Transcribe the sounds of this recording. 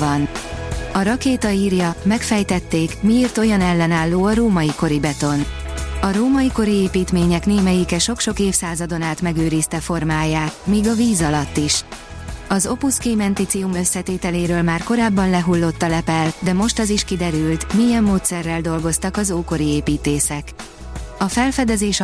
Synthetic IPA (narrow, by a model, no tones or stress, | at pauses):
vɒnɒɾɒkeːt̪ɒiːrjɒmɛkfɛjt̪ɛt̪ːeːkmieːrt̪o̞jɒnɛlːɛnaːlːoːɒɾoːmɒiko̞ɾibɛt̪o̞nɒɾoːmɒjiko̞ɾieːpiːt̪meːɲɛkneːmɛjikɛʃo̞kʃo̞keːfsaːzɒd̪o̞naːt̪mɛɡøːɾiːst̪ɛfo̞rmaːjaːt̪miːɡɒviːzɒlɒt̪ːiʃ | ɒzo̞puskeːmɛnt̪it̪siumø̞sːɛt̪eːt̪ɛleːɾøːlmaːrko̞ɾaːbːɒnlɛɦulːo̞t̪ːɒlɛpɛld̪ɛmo̞ʃt̪ɒziʃkid̪ɛɾylt̪mijɛmːoːt̪sɛrːɛld̪o̞lɡo̞st̪ɒkɒzoːko̞ɾieːpiːt̪eːsɛk | ɒfɛlfɛd̪ɛzeːʃ